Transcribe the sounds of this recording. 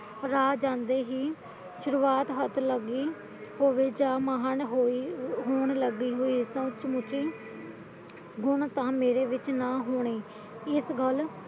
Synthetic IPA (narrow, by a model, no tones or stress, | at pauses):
ɾaːd͡ʒãːnd̪eːɦiː | ʃʊɾuːaːt̪ɦət̪ləɡiː | ɦoːʋeːd͡ʒaːmaɦənɦoiɦoːɳləɡiːɦoːiːsət͡ʃmʊt͡ʃiː | ɡʊnt̪ãːmeːɾeːʋɪt͡ʃnaːɦoːɳ̃eː | ɪsɡəl